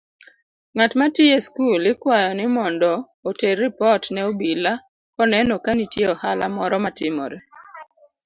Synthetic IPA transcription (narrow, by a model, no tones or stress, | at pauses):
ŋatmatijeskulɪkwajɔnɪmɔndɔː | terɪpɔtnɛobila | kɔnɛnokanitjeɔhala̰mɔɾɔmatɪmɔ̰ɾɛ